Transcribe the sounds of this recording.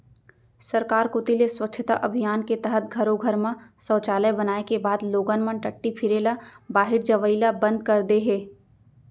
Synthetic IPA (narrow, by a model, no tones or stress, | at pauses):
sɐɾkaːɾkot̪ileswɐkːʃʰət̪a̰ʔɐbʱijaːnket̪ɛɦət̪̚ɡʱɐɾoɡʱɐɾmãsɔːt͡ʃaːləbɐnaːekebaːd̪loːɡənmə̃nʈɐʈːipʰɪɾeːlabaːɦɪɾd͡ʒɐʋəɪlabɐ̃nd̪̚kɐɾd̪eɦɛː